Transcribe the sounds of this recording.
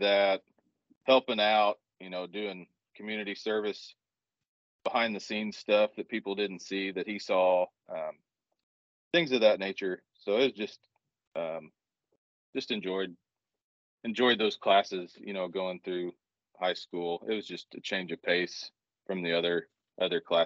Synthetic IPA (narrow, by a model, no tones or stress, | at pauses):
ðɨt̚ | hɛlˠpɪ̃ŋaʊt̚jɨnoʊdʉɪ̃ŋ | kʰmjʉnɨɾisɜ˞vɨs | b̥əhãɪ̃nðɨsĩnz̥stʌfðɨt̚pʰipl̩ˠdɪdⁿn̩tsiðɨt̚hisɔʔʌ̃m | θɪ̃ŋzʌvðɨtⁿneɪt͡ʃə˞ | soʊɨt̚wʌzd͡ʒʌst̚ | ʔʌ̃m̥ | ʒ̥ʌstɨ̃nd͡ʒɔɪd̚ | ɨ̃nd͡ʒɔɪd̪̚ðoʊz̥kʰl̥æsɨz̥jɨ̰ñoʊɡoʊɪ̃ŋθɹʉ | haɪskulˠɪ̰t̚wʌzd͡ʒʌstɨt͡ʃʰẽɪ̃nd͡ʒʌv̥pʰeɪs | fɹʌ̃mðiʌðə˞ | ʔʌðə˞kʰl̥æ